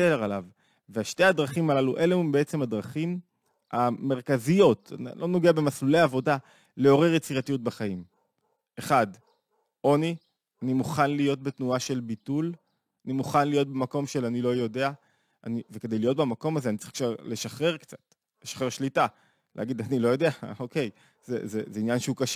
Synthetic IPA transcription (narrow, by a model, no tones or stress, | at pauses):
eʁalav | veaʃte̞jadʁaχimalaluʔe̞leumbeet͡se̞madʁaχim | ame̞ʁkazijo̞tlʔo̞no̞ɡeabe̞masluleaːvo̞da | le̞o̞ʁeʁjet͡siʁatijut̚baχaim | e̞χad | ʔo̞ni | animuχanlijo̞t̚betnuaʃe̞lbitul | animuχanlijo̞t̚bemako̞mʃelanilo̞jo̞de̞a | aniveke̞dejlijo̞t̚bemako̞mazeanit͡saʁikʃaʁle̞ʃaχʁe̞ʁkt͡sḁt | leʃḁχʁeʁʃlita | lḛaɡidanilo̞jo̞de̞aokej | zezezeinjanʃeukaʃ